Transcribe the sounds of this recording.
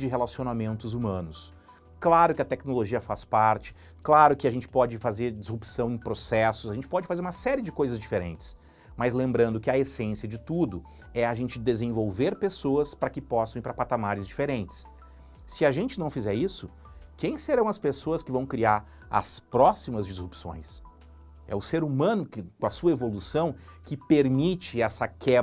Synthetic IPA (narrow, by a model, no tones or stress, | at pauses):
d͡ʒɪɦelasionamẽnt̪ʊzumɐ̃nʊs | klaɾʊkɪɐt̪ɛknoloʒiɐfaspaɾt͡ʃɪ̥ | klaɾʊkɪaʒẽnt͡ʃɪ̥pɔd͡ʒɪfazeɾd͡ʒɪzhupsɐ̃w̃ẽj̃pɾosɛsʊszaʒẽnt͡ʃɪ̥pɔd͡ʒɪfazeɾũmɐsɛɾiɪd͡ʒɪkojzɐzd͡ʒifeɾḛ̃nt͡ʃɪ̥s | mɐzlẽmbɾɐ̃nd̪ʊkɪɐesẽsiɐd͡ʒɪt̪ud̪ʊ | ɛɐʒẽnt͡ʃɪd̪ezẽvowveɾpesoɐspɾɐkɪpɔsɐ̃w̃iɾpɾɐpat̪amaɾɪzd͡ʒifeɾẽnt͡ʃɪ̥sː | ɪɐʒẽnt͡ʃɪnɐ̃w̃fizɛɾisʊ | kẽj̃seɾɐ̃w̃ɐspesoɐskɪvɐ̃w̃kɾiaɾ | ɐ̰spɾɔsimɐzd͡ʒizhupsõ̰j̃s | ɛ̰ʊseɾumɐ̃nʊkɪkõɐsuɐevolusɐ̃w̃kɪpeɾmit͡ʃɪɛsɐkʰɛ